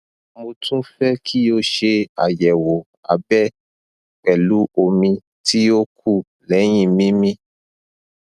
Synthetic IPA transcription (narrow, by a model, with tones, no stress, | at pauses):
mõ˧tʰũ˦fɛ˦kʰi˦o˦ʃe˧a̰˨jɛ˨wo˨ | a̰˨bɛ˦ | k͡pɛ˨lu˨˦o˧mĩ˧ | ti˦o˦kʰu˦˨ | lɛ˨˦j̃ĩ˦˨mĩ˦mĩ˦